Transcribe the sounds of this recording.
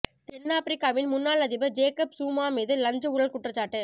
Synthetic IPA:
t̪ɛnːaːpɪɾɪkːaːʋɪlmʊnːaːlɐðɪbɐd͡ʒeːkɐpsuːmaːmeːðɯlɐɲd͡ʒɐʊɻɐlkʊʈrɐt͡ʃːaːʈːɯ

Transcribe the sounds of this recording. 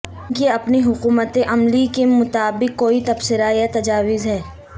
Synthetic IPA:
jeɐpniɦʊkuːmət̪eʔɐmlikemʊt̪aːbɪqːoːit̪ɐbsɪɾajat̪ɐd͡ʒaːwɪzɦɛː

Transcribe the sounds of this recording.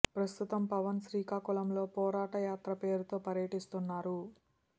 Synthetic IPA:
pɾɐst̪ut̪ɐmpɐʋɐnsɾiːkaːkulɐmlo̞ːpɔːɾaːʈɐjaːt̪ɾɐpe̞ːɾut̪o̞ːpɐɾjɐʈist̪unːaːɾu

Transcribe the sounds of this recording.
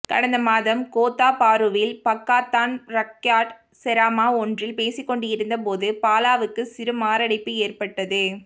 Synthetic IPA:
kɐ̰ɽɐnd̪ɐmaːðɐmkoːt̪ːaːpaːɾɯʋɪlpɐkːaːt̪ːaːnɾɐkːjaːʈ | sɛɾaːmaːɔndrɪlpeːsɪkːɔɳɖɯɪɾɯnd̪ɐpoːðɯpaːlaːʋɯkːɯsɪɾɯmaːɾɐɽɐɪpːɯeːrpɐʈːɐðɯ

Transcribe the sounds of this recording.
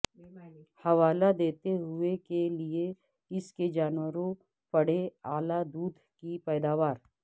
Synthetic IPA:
hɐʋaːlad̪eːt̪eɦʊekelie | ɪsked͡ʒaːnwəɾõ | pɐɽ̤eaːlad̪uːd̪ʱkipɛːd̪aːʋaːɾ

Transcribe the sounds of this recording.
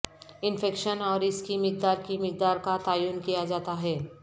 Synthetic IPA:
ɪnfɛːkʃənɔːɾɪskimɪk̚d̪aːɾkimɪk̚d̪aːɾkat̪aːjuːnkijad͡ʒaːt̪aɦɛː

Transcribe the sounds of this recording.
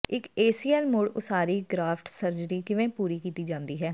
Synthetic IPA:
ɪkeːsiːɛːlmʊɽʊsaːɾiːɡɾaːpʰʈsəɾd͡ʒɾiːkɪʋẽːpuːɾiːkiːt̪iːd͡ʒãːnd̪iːɦɛː

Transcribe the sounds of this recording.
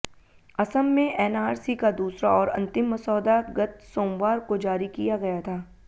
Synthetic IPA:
ɐsəmːẽʔɛːnaːɾsikad̪uːsɾaɔːɾɐ̰̃nt̪ɪmːɐsɔːd̪aɡɐt̪̚sõːmʋaːɾkod͡ʒaːɾikijaɡɐjat̪ʰaː

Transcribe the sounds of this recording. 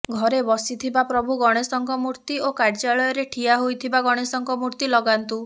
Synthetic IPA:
ɡʱɔɾebɔsit̪ʰibapɾɔbʱuɡɔɽ̃esɔŋkɔmuɾt̪iokaɾd͡ʒaɭɔjɔɾeʈʰiaɦojt̪ʰibaɡɔɽ̃esɔŋkɔmuɾt̪ilɔɡant̪u

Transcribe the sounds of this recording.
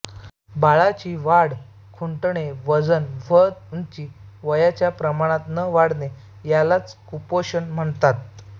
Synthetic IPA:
baɭat͡ɕiʋaɽ | kʰuɳʈɳeʋəd͡zənʋəd̪unt͡ɕiːʋəjat͡ɕjapɾəmaɽ̃ãt̪nəʋaɽne | jalat͡skupoɕənm̤əɳt̪at̪̚

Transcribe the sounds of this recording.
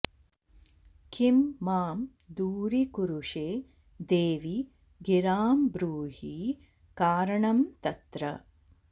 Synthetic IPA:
kimːaːm | d̪uːɾikuɾuʂeː | d̪eːʋi | ɡiɾaːmbɾuːhi | kaːɾɐɳɐmt̪ɐt̪ɾɐ

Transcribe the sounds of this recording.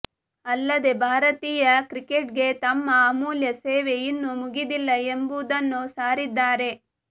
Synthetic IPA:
ɐlːɐd̪e̞bʱaːɾɐt̪iːjɐkɾikeʈɡe̞t̪ɐmːɐmuːljɐseːʋe̞jinːumuɡid̪ilːɐembud̪ɐnːusaːɾid̪ːaːɾe̞

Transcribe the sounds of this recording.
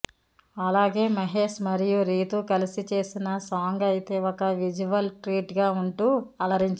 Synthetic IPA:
ɐlaːɡe̞ːmɐɦe̞ːʃmɐɾijuɾiːt̪ukɐlisit͡ʃe̞ːsinɐsaːŋɡɐjt̪e̞ːɔkɐʋid͡ʒuʋɐlʈɾiːʈɡaːuɳʈuːɐlɐɾiɲt͡ʃ

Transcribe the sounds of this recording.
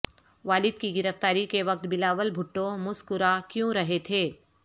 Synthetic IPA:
ʋaːlɪd̪̚kiɡɪɾəft̪aːɾikeʋɐk̚t̪bɪlaːʋəlbʱʊʈːõmʊskʊɾakjõɾɐɦet̪ʰeː

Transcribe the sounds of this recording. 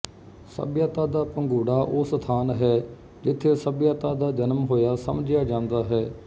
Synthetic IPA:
sə̰bjaːt̪aːd̪aːpəŋɡuːɽaːʔoːst̪ʰaːnɦɛː | d͡ʒɪt̪ʰːeːsəbjaːt̪aːd̪aːd͡ʒənmɦoːjaːsəmd͡ʒɪjaːd͡ʒãːnd̪aːɦɛː

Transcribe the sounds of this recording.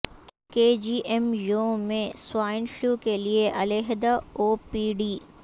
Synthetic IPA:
keːd͡ʒiːʔɛmjoːmẽswaːɪnfluːkelieʔɐleɦd̪aoːpiːɖiː

